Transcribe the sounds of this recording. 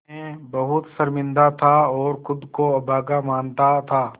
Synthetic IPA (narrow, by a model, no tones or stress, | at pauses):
ẽbɐɦʊt̪sɐɾmɪ̃nd̪at̪ʰaɔːɾxʊd̪koɐbʱaːɡamaːnt̪at̪ʰaː